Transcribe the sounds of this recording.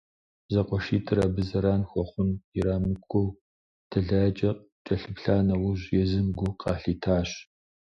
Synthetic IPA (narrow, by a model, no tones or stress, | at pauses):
zɐqʷʼɔʃiːtʰɨɾɐbɨzɐɾaːnxʷɔχʷʊniɾaːmɨkʷʰːow | tʰɐɮɐːt͡ʃʼɐ | t͡ʃʼɐɬɨpɬaːnɐwʊʑjɛzɨmɡʷʊqʰɑːɬiːtʰaːɕ